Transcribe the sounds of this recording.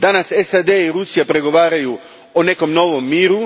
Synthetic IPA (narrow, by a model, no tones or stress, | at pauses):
d̪anasesad̪eiɾusijapɾe̞ɡo̞ʋaːɾaju | one̞ko̞mno̞ʋo̞mːiːɾu